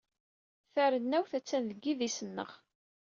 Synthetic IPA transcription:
θæɾənːæwθæt͡sːænðəɡːiðisənːə̰ʁ

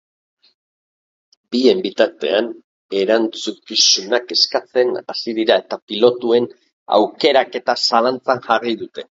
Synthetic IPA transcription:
bie̞mbit̪aɾt̪e̞an | e̞ɾant͡sukisunake̞skat͡se̞nasið̞iɾae̞t̪apilo̞t̪ue̞n | a̰wke̞ɾake̞t̪asalant͡sanʝariðut̪e̞

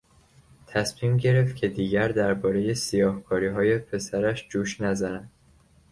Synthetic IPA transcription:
t̪ʰæsmiːmɟe̞ɾe̞ft̪cʰe̞d̪iːɟæɾd̪æɾbɒːɾe̞je̞sijɒːhkʰɒːɾiːɦɒːje̞pʰe̞sæɾæʃd͡ʒuːʃnæzænænd̪̥

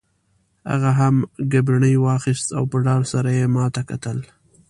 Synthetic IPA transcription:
ha̰ɣaɦamɡabɾaɳəjwɑxɪst̪awpəɖɑɽsaɾajemɑt̪akat̪əl

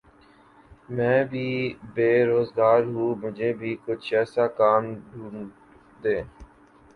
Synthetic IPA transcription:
mɛ̃ːbʱiːbeːɾoːzɡaːɾɦũːmʊd͡ʒʱeːbʱiːkʊt͡ʃʰɛːsaːkaːmɖʱũːn | d̪ẽː

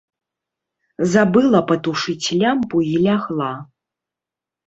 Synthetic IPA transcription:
zabɨlˠɐpɐt̪uʂɨt͡sʲlʲampuilʲaɣlˠa

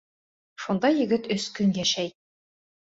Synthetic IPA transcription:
ʃund̪ɑjɘ̆ɡɘt̪ɵskɵŋjæʃæj

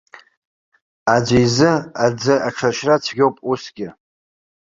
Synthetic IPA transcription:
ad͡ʒʷejzɨad͡zɨʔaʈ͡ʂʰaʃrat͡sʰɡʲo̞wpʼusɡʲɪ

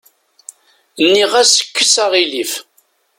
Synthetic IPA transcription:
nːiʁæsə̥kːəsaʁilif

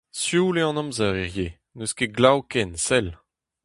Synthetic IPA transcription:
sjuleɑ̃nɔ̃mzaʁeʁje | nøskeɡlawkɛnsɛl

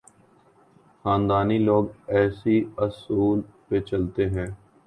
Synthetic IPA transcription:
xaːnd̪aːniːloːɡɛːsiəsuːlpet͡ʃəlt̪eːɦɛ̃ː

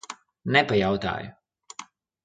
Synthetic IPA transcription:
nɛpajawt̪a̰ːjʊ

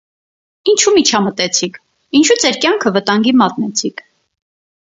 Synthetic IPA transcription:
int͡ʃʰumit͡ʃʰɑmət̪ɛt͡sʰikʰ | int͡ʃʰud͡zɛɾkjɑŋkʰəvət̪ɑŋɡimɑt̪nɛt͡sʰikʰ

